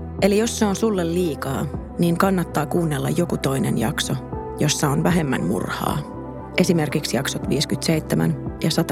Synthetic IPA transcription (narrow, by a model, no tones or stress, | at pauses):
e̞lijo̞sːeonsulːelliːkɑ̰ː | niːŋkɑnːɑt̪ːɑːkuːnːelːɑ̰jjo̞kut̪o̞inḛnjɑ̰kso | jo̞sːɑonʋæɦe̞mːæ̰nmṵrhɑ̰ː | ʔe̞sime̞rkiksjɑksot̪ʋiːskyt̪sejt̪ːemæ̰njɑsɑt̪ɑ